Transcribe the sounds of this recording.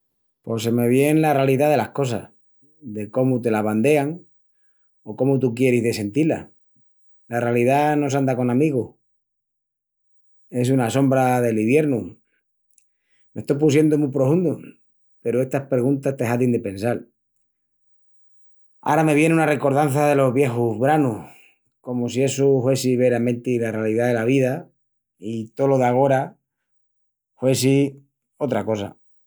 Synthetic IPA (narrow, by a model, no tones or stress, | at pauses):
po̞se̞me̞β̞je̞nlarealiðaðe̞lahko̞s̬a̰s | ðe̞ko̞mut̪e̞laβ̞and̪e̞aŋ | o̞ko̞mut̪̬ukje̞ɾizðe̞se̞nt̪ila̰ | larealiðano̞s̬and̪ako̞namiɣoh | e̞s̬unaso̞mbɾaðe̞liβje̞ɾnu | me̞st̪ojp̬usje̞nd̪omupɾofund̪u | pe̞ɾoe̞st̪ahpɾeɣunt̪ast̪eɦat̪ind̪epẽ̞nsal | a̰ɾame̞βje̞neunare̞ko̞ɾð̞an̟θaðe̞lo̞ɦβje̞xuɦβɾanu | ko̞mosie̞suxwe̞siβe̞ɾamẽ̞nt̪ilarealiðaðe̞laβ̞iða | it̪o̞lo̞ðaɣ̞o̞ɾa | xwe̞si | o̞t̪ɾako̞sa̰